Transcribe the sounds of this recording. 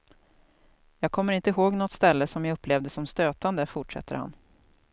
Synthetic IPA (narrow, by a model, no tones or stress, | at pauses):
jɑːɡ̚kʰɔmːəɾɪnt̪əɦoːɡnɔt̪st̪ɛlːəsɔmjaɵpːleːvd̪əsɔmst̪øːt̪and̪əfʊʈʂɛ̰t̪ʰːə̰ɾha̰n